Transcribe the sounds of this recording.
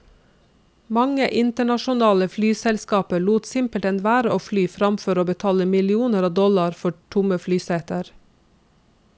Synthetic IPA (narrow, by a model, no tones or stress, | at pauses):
mɑŋəʔɪnt̪əɳɑʃʊnɑːləflyːsɛlskɑːpəɭuːt̪sɪmpəlt̪ɛnʋæːɾəʔoːflyːfɾɑmfɔɾoːbət̪ʰɑːləmɪlɪuːnəɾɑːʋd̪ɔlɑɾfɔʈʰʊməflyːseːt̪əɾ